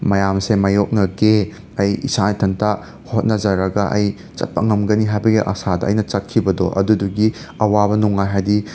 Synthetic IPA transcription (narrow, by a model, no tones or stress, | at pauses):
mɐjamsemɐjok̚nɐɡe | ɐjḭsatʰɐntʰa | hot̚nɐd͡ʒɐɾɐɡɐʔɐ̰j | t͡ʃɐ̰t̚pɐŋɐmɡɐniɦajbɐɡiʔɐ̰sadɐːjnɐt͡ʃɐt̚kʰːibɐdoʔɐ̰duduɡi | ɐwabɐnuŋːajɦajdi